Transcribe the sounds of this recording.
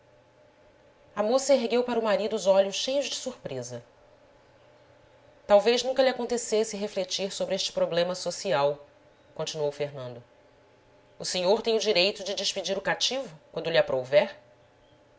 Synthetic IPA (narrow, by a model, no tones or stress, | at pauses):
ɐmosɐeɦɡewpaɾɐumaɾid̪ʊːzɔʎʊʃʃejʊʒd͡ʒɪsuɾpɾezɐ | t̪awvejʒnũkɐlɪakõnt̪esesɪɦeflet͡ʃiɾsobɾɪeʃt͡ʃɪ̥pɾoblẽmɐsosiaw | kõt͡ʃinuowfehnɐ̃nd̪ʊ | ʊseɲoɾt̪ẽj̃ʊd͡ʒiɾejt̪ʊd͡ʒɪd͡ʒɪʃpid͡ʒiɾʊkat͡ʃivʊkwɐ̃nd̪ʊlʲapɾovɛɾ